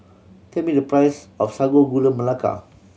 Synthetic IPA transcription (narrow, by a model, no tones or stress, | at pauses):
t̪ʰɛt̚midəpɹajsɔfsaɡoɡulə̃məlaka̰